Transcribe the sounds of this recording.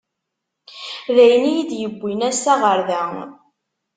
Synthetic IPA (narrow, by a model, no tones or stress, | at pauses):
ðæjnijid̪jəbʷːinæsæʁəɾðæ